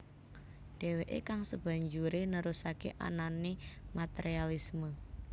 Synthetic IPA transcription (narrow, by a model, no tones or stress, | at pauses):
d̥e̤weʔḛkaŋsəb̥a̤ɲd͡ʒuɾenəɾusakḛʔa̰nanimat̪eɾialismə